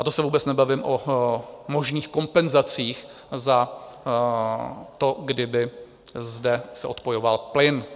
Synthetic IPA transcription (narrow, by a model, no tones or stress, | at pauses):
ʔat̪osɛvuːbɛt͡snɛbavɪmʔo | mo̞ʒniːxko̞mpɛnzat͡siːx | za | t̪o̞ɡdɪbɪ | zdɛsɛʔo̞t̪pojo̞valplɪn